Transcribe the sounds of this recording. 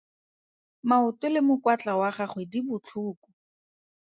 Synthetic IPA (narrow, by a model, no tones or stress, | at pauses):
maʊtʊlɪmʊkwat͡ɬawaχaχwedibʊt͡ɬʰuːku̥